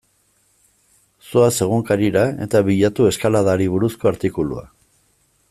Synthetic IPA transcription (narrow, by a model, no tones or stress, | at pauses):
soase̞ɣ̞uŋkaɾiɾae̞̰t̪aβiʎat̪ue̞skalaðaɾiβ̞uɾusko̞aɾt̪ikulṵa̰